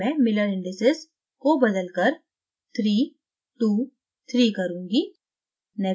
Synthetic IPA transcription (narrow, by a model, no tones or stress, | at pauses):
ɛ̃ːmɪləɾɪ̃ɳɖɪsɪs | kobɐd̪əlkəɾ | t̪ʰɾiː | ʈuː | t̪ʰɾiːkɐɾũːŋɡi | nɛ